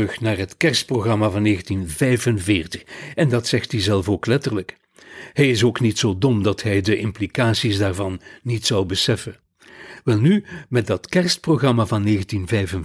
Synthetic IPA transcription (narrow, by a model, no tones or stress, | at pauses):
ɵxnaːrɦətkɛrst̚proɣrɑmavɑnːeːɣəntinvɛjvənvɪːrtə̥xɛndɑtsɛxtizɛlˠfoːklɛtərlək | ɦɛjɪs̬oːknitsoːdɔmdɑtɦɛjdəʔɪmplikaːsisdaːrvɑnːitsɑwbəsɛfə | ʋɛlˠnymɛt̚dɑtkɛrst̚proɣrɑmavɑnːeːɣəntinvɛjvən